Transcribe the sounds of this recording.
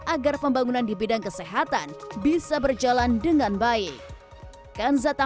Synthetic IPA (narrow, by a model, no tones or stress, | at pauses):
ʔaɡarpəmbaŋunandibidaŋkəseɦat̪anbisabərd͡ʒalandəŋanbaɪk̚ | kanzat̪a